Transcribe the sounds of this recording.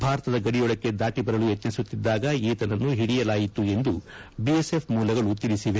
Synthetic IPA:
bʱaːɾɐt̪ɐd̪ɐɡɐɽijɔɭɐkːe̞d̪aːʈibɐɾɐlujet̪nɐsut̪ːid̪ːaːɡɐiːt̪ɐnɐnːuɦiɽijɐlaːjit̪ːue̞nd̪u | biese̞pʰmuːlɐɡɐɭut̪ilisiʋe̞

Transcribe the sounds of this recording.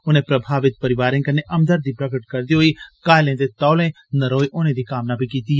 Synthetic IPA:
ʊnẽpɾɐbʱaːʋɪt̪̚pɐɾɪʋaːɾẽkəneʔɐmd̪əɾd̪ipɾɐkəʈ̚kɐɾd̪iɦʊikaːɪlẽd̪et̪ɐːlẽ | nɐɾoːjʔʊnẽd̪ikaːmnabʱikiːt̪iɦe

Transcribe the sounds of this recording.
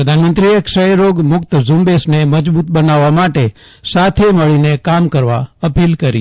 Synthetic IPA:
pɾəd̪ʱanmənt̪ɾiekʃəeɾoɡmʊkt̪zʊ̃mbesneməd͡ʒbut̪̚bənaʋːamaʈe | sat̪ʰeməɭinekamkəɾʋa̰əpilkəɾi

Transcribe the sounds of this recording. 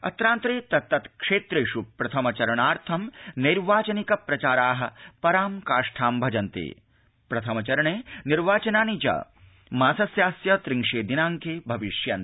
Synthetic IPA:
ɐ̰t̪ɾaːnt̪ɾeːt̪ɐt̪ːɐt̪kʂeːt̪ɾeːʂupɾɐt̪ʰɐmɐt͡ʃɐɾɐɳaːɾt̪ʰɐmniɾʋaːt͡ʃɐnikɐpɾɐt͡ʃaːɾaːɦɐ̆pɐɾaːmkaːʂʈʰaːmbʱɐd͡ʒɐnt̪ḛː | pɾɐt̪ʰɐmɐt͡ʃɐɾɐɳeːniɾʋaːt͡ʃɐnaːnid͡ʒɐ̰ | maːsɐsjaːsjɐt̪ɾiŋʂeːd̪inaːŋkeːbʱɐʋiʂjɐn

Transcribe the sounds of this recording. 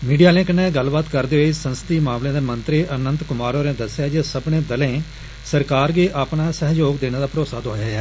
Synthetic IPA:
miːɖijaːlẽːkənːɛ̃ːɡəlbaːt̪kəɾd̪eːoisənst̪iːmaːmlẽːd̪eːmənt̪ɾiʔənənt̪kʊmaːɾoːɾẽːd̪əsɪjaːd͡ʒeːsəbɳẽːd̪əlẽː | səɾkaːɾɡiːʔaːpɳaːsəɦd͡ʒoːɡd̪eːñeːd̪aːpɾoːsaːt̪ɦoːjaːɛː

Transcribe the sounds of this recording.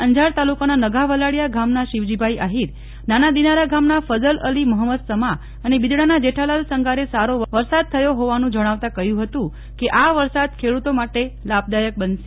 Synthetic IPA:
əɲd͡ʒaɾt̪alukananəɡʱaʋəlaɽjaɡʱamnaʃiʋd͡ʒibʱaiʔaɦiɾ | nanad̪inaɾaɡamnafəzələliməɦəməd̪səma | ənebid̪ɽanad͡ʒeʈʰalalsəŋɡʱaɾesaɾoʋʋəɾsad̪̚t̪ʰəjoɦoʋanũd͡ʒəɽ̃aʋt̪ãkəɦjũɦət̪ũ | keʔaʋəɾsad̪̚kʰeɽut̪omaʈelab̚d̪ajək̚bənʃe

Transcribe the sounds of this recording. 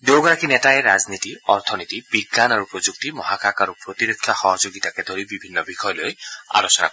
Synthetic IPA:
d̪owɡɔɾakinɛtajeɾaznit̪iɔɾt̪ʰɔnit̪ib̥iɡːanaɾupɹod͡ʒuk̚t̪imɔɦakakaɾupɹot̪iɾekʰːaxɔɦɔd͡ʒoɡit̪aked̪oɾibibʱinːɔbixʰɔjɔloja̰losɔna̰kɔ

